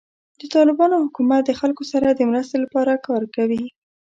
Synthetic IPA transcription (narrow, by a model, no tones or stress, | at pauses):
d̪̥ət̪ɑlɪbɑnohʊkumat̪̚d̪əxalkosaɾad̪əmɾast̪elapɑɾakɑɾkawi